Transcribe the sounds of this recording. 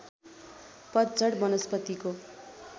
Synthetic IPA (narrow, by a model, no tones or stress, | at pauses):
pʌt̪d͡zʌɽmʌnʌspʌt̪iko